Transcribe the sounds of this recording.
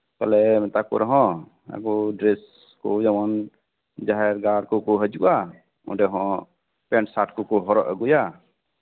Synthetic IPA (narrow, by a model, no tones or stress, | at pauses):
kalɛmɛt̪akṵɾɔɦɔ̃ | a̰ɡɔɖɾɛs | kɔd͡ʒamɔn | d͡ʒaɦɛɾɡaɾkɔkɔɦəd͡ʒuʔa | ṵ̃ɖɛɦɔ̃ | pɛnsaʈkukɔɦɔɾɔʔəɡuja